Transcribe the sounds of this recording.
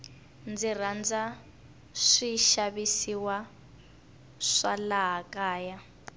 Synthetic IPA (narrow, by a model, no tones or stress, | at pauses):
nd͡zir̤and͡za | ʂiʃaβisiwa | ʂa̰laɦakʼaːja